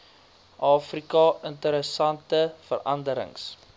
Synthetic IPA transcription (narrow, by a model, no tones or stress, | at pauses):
ʔɑːfrikɑəntəɾəsɐntəfə̰rʔɐndəɾə̰ŋs